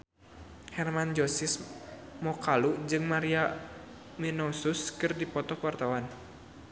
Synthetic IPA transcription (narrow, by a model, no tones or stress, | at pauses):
hɛrmand͡ʒɔsismɔkalud͡ʒɨŋmaɾia | minɔsuskɨrdipɔt̪ɔkwart̪awan